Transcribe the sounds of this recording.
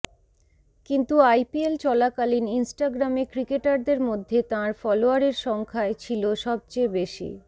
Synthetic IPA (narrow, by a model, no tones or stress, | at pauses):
kint̪uajpielt͡ɕɔlakalininsʈaɡɾamekɾikeʈaɾd̪eɾmod̪ʱːet̪ãɾfɔloaɾeɾʃɔŋkʰaet͡ɕʰiloʃɔb̚t͡ɕejbeʃḭ